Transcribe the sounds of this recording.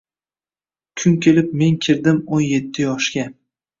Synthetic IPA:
kʰʊŋkʲʰe̞lɪp̚me̞ŋkʲʰɪɾd̪ɪmonje̞t̪ʰːɪjɒʃkʲa

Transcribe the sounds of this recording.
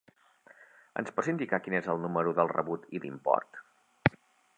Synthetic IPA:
ə̰nspɔsind̪ikakinezəlˠnuməɾuðəlˠrə̰βut̪iðimpɔ̰rt̪

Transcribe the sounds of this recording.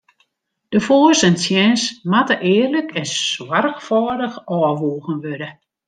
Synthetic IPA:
d̥əfoːsɛnsjɛnsmatəʔɪːrləkʰɛnswarxfɔːdəxɔːʋuːɣənʋødə

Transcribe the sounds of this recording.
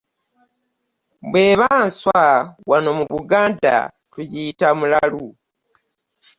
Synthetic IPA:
bwe̞ːβaːnswawano̞muβuɡaːnda̰ | tujitamulalu

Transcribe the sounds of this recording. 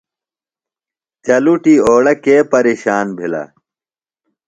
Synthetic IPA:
t͡ɕɐluʈiːoːɽɐkeːpɐɾiːɕaːnbʱilɐ̰

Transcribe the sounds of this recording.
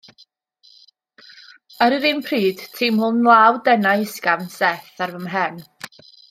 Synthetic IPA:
əɾiɾinpʰriːd̥tʰɪmhʊnlˠawdɛnajsɡansɛθarvəmɦɛn

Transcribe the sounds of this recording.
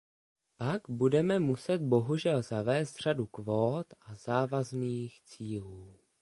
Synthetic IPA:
paɡbudɛmɛmusɛt̪̚bo̞ɦuʒɛlzavɛːst̪r̝̥adukvoːt̪ʔazaːvazniːxt͡siːluː

